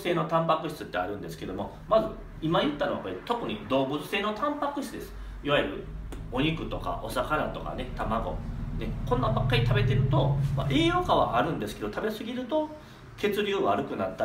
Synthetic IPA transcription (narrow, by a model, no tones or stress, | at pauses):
se̞ːno̞t̪ãmpakɯ̟ɕi̥t͡sɨt̪ːe̞aɾɯ̟̃nd̪esɨ̥ke̞d̪omo̞ | mazɨ | imajɯ̟t̪ːanoa̰koɾet̪o̞kɯ̟ɲ̟id̪o̞ːbɯ̟t͡sɨ̥seːno̞t̪ʰãmpakɯ̟ɕit͡sɨd̪e̞sɨ̥ | iβaiɾɯ̟o̞ɲ̟ikɯ̟t̪o̞ka̰ʔo̞sakaɾat̪o̞ka̰ne̞t̪amaɡo̞̰nekõ̞nːabakːaɾʲit̪abe̞t̪e̞ɾɯ̟t̪o̞ma̰ʔeːjokaβ̞a̰ʔaɾɯ̟̃nd̪e̞sɨ̥ke̞d̪ot̪ʰabe̞sɨɡʲiɾɯ̟t̪o̞ | ke̞t͡sɨɾʲɯːβaɾɯ̟kɯ̟nat̪ːa